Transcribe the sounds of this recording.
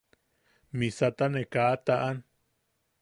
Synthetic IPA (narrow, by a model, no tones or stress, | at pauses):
misat̪anekaʔt̪aʔan